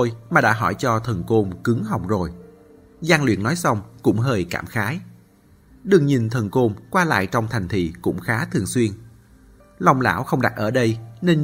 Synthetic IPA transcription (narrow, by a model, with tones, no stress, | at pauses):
o˧jmaː˨˩ɗa̰ː˧˥ɦɔ˧˩jt͡ɕɔ˧t̪ʰə˨˩nko˧mkɨ˨˦ŋɦa˨˩wk͡p̚zo˨˩j | za˧nlwḭ˧˨ənːɔ˨˦jsa˧wŋ͡mkʊ̰˧˥ŋ͡mɦəː˧jkaː˧˩mxaː˨˦j | ɗɨ˨˩əŋɲi˨˩nt̪ʰə˨˩nko˧mkwaː˧la̰ː˧˨jt͡ɕɔ˧wŋ͡mt̪ʰa˨˩ŋ̟t̪ʰḭ˧˨kʊ̰˧˥ŋ͡mxaː˨˦t̪ʰɨ˨˩əŋswi˧ən | la˨˧wŋ͡mla̰ː˧˩wxə˧wŋ͡mɗa˨˩t̚ʔəː˧˩ɗə˧jne˧n